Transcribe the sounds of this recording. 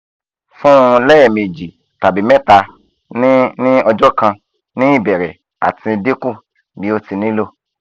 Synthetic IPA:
fũ˦˧lɛ˦ɛ˨me˨d͡ʒi˨ | ta˨bi˨˦mɛ̃˦ta˧ | n˦nĩ˦ɔ˧d͡ʒɔ˦kã˧ | nĩ˦i˦˨bɛ˨ɾɛ˨ | a̰˨tĩ˧de˦kũ˦˨ | bi˨˦o˧ti˧nĩ˦lo˦

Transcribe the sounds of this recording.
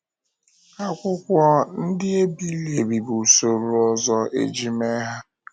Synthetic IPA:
a˦kʷʊ˦kʷɔ˦n̩˦dɪ˦e˦bi˦le˨bi˨bu˨so˨ɾʊ˨ɔ˦zɔ˦ḛ˨d͡ʒi˦me˦ɦa˦

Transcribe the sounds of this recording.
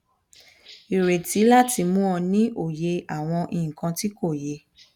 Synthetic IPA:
i˨ɾe˨tʰi˨˦la˦ti˧mũ˦ɔ̃˧nĩ˦ʔo˨je˧a˨w̃ɔ̃˧ʔĩ˧˨ĩ˨kã˧ti˦ko˦˨je˧˦

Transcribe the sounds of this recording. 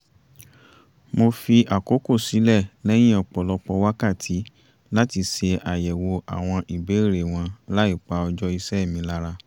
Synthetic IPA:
mo˧fi˧ʔa˨ko˨˦ko˦˨si˨˦lɛ˦˨lɛ˦j̃ĩ˦ɔ˧k͡pɔ˨lɔ˧k͡pɔ˧wa˦ka˦˨tʰi˨˦ | la˦ti˧se˧a˨jɛ˨wo˧ʔa̰˨w̃ɔ̃˧ʔi˨be˨˦˨ɾe˨w̃ɔ̃˧la˦i˦˨k͡pa˧ɔ˧d͡ʒɔ˦i˧sɛ˦˨mĩ˧˦la˦ɾa˧

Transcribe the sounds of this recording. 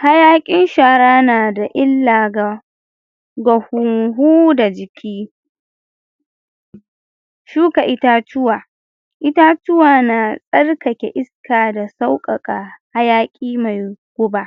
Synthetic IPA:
ha˦jaː˦kʲʼɪ˦nʃaː˨ɾaː˦naː˨da˨ʔɪ˦lːaː˨ɡa˨ | ɡɐ˨hʊ˨ŋɦuː˦da˨d͡ʒɪ˨kʲʰiː˦ | ʃuː˦ka˨ʔɪ˦ta˦tʊ˦waː˨ | ʔɪ˦ta˦tʊ˦waː˨na˨sʼɐ˦rkɐ˨kʲɛ˨ʔɪ˦skaː˨da˨sa˦wkʼɐ˨kʼaː˨ha˦jaː˦kʲʼiː˦ma˨jɡ̥ʷʊ˦ba˦˨ʔ

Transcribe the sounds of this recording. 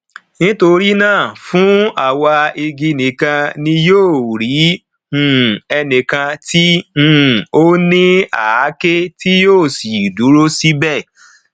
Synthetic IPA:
nĩ˦to˧ɾi˦nãː˦˨fũ˨˦a˦˨wa˧i˧ɡi˧nĩ˨kã˧nĩ˧joː˦˨ɾĩ˨˦˨ | ɛ˧nĩ˨kã˧tĩ˦˨ | o˦nĩ˦a˨a˨˦ke˦ti˦joː˦˨si˨du˨˦ɾo˦si˦bɛ˦˨

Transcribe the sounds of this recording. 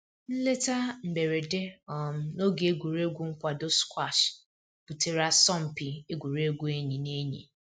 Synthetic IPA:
n̩˦le˦ta˦m̩˨be˨ɾe˨de˦ɔ˨m̩˦no˦ɡe˨e˦ɡʷu˨ɾe˦ɡʷu˦ŋ̩˦kʷa˨do˦skʷwa˦˨ʃ | pu˨te˨ɾa˦sɔ˦˨m̩˨pi˨e˦ɡʷu˨ɾe˦ɡʷu˦e˦ɲi˨ne˦ɲḭ˨

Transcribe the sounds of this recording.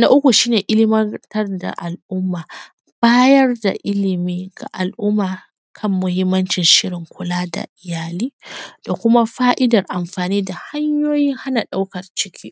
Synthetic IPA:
na˦ʔʊ˦kʷu˨ʃiː˦neː˨ʔɪ˦lɪ˦mɐ˦tɐ˦rda̰˨ʔa˨lʔʊ˦mːaː˨ | b̥aː˦jɐ˦rda̰˨ʔɪ˦lɪ˨miː˦ɡa̰˨ʔa˨lʔʊ˦mːaː˨ | kʰɐ˦mːʊ˦hɪ˦mːɐ˦nt͡ʃɪ˨nʃɪ˦ɽɪ˨ŋkʷʊ˨laː˦da̰˨ʔɪ˨jaː˨liː˦d̥a˨kʷʊ˦ma˦ɸaː˦ʔɪ˦dɐ˨rʔa˨mɸaː˨niː˦da˨ha˦ɲjoː˦jiː˦ha˦na˨ɗa˦wkɐ˨rt͡ʃɪ˦kʲʰiː˦ʔ

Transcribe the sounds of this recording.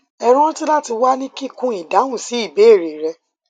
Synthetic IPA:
ɛ˧ɾ̃ɔ̃˦ti˦la˦ti˧wa˦nĩ˦ki˦kũ˦i˨da˨˦wũ˦˨si˨˦i˦˨be˨˦˨ɾe˨ɾɛ˧

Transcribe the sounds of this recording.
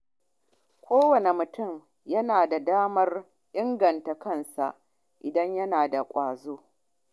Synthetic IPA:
kʷoː˦wɐ˨ne˨mʊ˨tʊ˦˨m | jɐ˦naː˨da˨daː˦mɐ˦r | ʔɪ˦ŋɡɐ˨nta˨kɐ˦˨nsa̰˨ʔ | ʔɪ˨dɐ˦ɲjɐ˦naː˨da˨kʷʼaː˨zoː˦

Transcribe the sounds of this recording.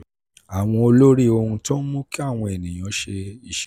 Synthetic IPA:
a˨w̃ɔ̃˧o˧lo˦ɾi˦o˧hũ˧tɔ̃˦n̩˦mũ˦ki˦a˦˨w̃ɔ̃˧e˨nĩ˨j̃ɔ̃˨˧˦ʃe˧i˦˨ʃ

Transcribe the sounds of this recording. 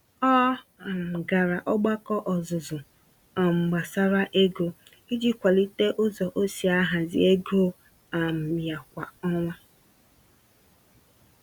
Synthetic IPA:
ɔ˦a˨m̩˨ɡa˨ɾa˨ʔɔ˦ɡ͡ba˦kɔ˦ʔɔ˨zʊ˨zʊ˨ | a˨m̩˨ɡ͡ba˨sa˦ɾa˦ʔe˦ɡo˨ | i˦d͡ʒi˦kʷa˨li˦te˦ʔʊ˦zɔ˨ʔo˦si˨a˦ɦa˨zɪ̰˦e˦ɡo˦ | a˨m̩˨ja˨kʷa˨ɔ˦ŋʷa˦

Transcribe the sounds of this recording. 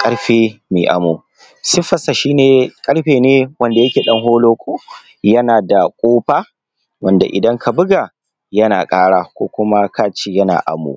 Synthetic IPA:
kʼɐ˦ɽɸeː˦mḭ˨ʔa̰˨moː˨ | sɪ˦ɸɐ˨sa˨ʃiː˦neː˨kʼɐ˦ɽɸeː˨neː˦wɐ˦nda˨jɐ˦kʲeː˨ɗɐ˦ŋɦoː˦loː˦kʷʰʼoː˦ | jɐ˦naː˨da˨kʷʼoː˦ɸaː˦ | wɐ˦˨nda̰˨ʔɪ̰˨dɐ˦ŋkʰa˨bʊ˦ɡa˨ | jɐ˦na̰ː˨kʼaː˦ɽaː˦kʷoː˦kʷʊ˦ma˦kaː˦t͡ʃi˨jɐ˦na̰ː˨ʔa̰˨mo̰˨

